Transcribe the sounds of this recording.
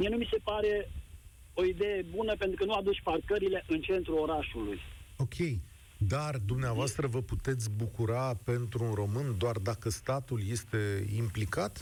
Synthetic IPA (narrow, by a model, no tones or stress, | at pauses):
mie̞numise̞paɾe̞ | oid̪ejebunəpe̞nt̪ɾukənuad̪ut͡ʃʲparkəɾile̞ʔɨnt͡ʃe̞nt̪ɾuoɾaʃulujo̞kʲʰe̞j | d̪ard̪umneavoast̪ɾəvəput̪e̞t̪sʲbukuɾape̞nt̪ɾuːnro̞mɨnd̪oard̪akəst̪at̪ulje̞st̪e̞implikat̪